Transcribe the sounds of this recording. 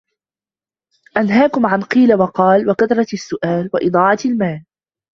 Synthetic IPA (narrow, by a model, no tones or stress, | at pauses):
ʔanɦaːkʊmʕanqiːlawɑqɑːlwakaθɾˤɑasːʊʔaːlwaʔɨd̪ˤɑːʕɑalmaːl